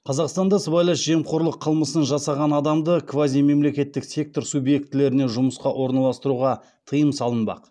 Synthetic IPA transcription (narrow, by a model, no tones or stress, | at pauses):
qʰɑzɑqst̪ɑnd̪ɑsəbɑjlˠɑʃʒemqʰo̞ɾlˠəqʰəlˠməsənʒɑsɑʁɑnɑd̪ɑmd̪əkʰvazijme̞mle̞kʲe̞t̪ːɪksʲe̞k̚t̪o̞ɾsubje̞k̚t̪ːɪle̞ɾɪne̞ʒʊməsqɑʔwʔo̞ɾnɑlˠɑst̪əɾuʁɑ | t̪ʰəjəmsɑlˠənbɑ̰q